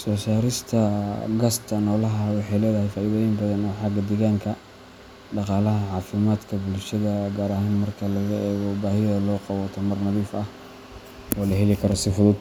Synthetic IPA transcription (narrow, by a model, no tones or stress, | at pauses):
sɔːsaːɾɪst̪ʰɐɡɐst̪ʰɐnɔːlɐɦɐwɑħɑjlɛːðɐhɛjfaːʔiːðɛːjɪmbɐðɐnɔːħɑɡɐd̪ɛɣaːŋkʰɐ | ɖɑqɑːlɐɦɐʕɑːfɪmaːd̪kʰɐbʊlʃɐðɐɡaːɾaɦaːnmɐrkʰɐlɐɣɐʔɛːɣɔbaːhɪjɐlɔːqɑβɔt̪ʰɐmɐrnɐðiːfɐh | ʔɔːlɐɦɛlɪkʰɐɾɔsɪfʊðʊd̪